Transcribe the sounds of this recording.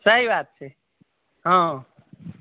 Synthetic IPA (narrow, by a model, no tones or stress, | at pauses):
səɦibaːt̪̚t͡ʃʰe | ɦã